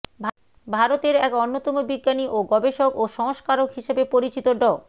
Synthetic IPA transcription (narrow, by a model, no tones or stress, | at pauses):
bʱ | bʱaɾot̪eɾɛkonːot̪ɔmobiɡːaniʔoɡɔbeʃokoʃɔŋʃkaɾokɦiʃebepoɾit͡ɕit̪oɖɔ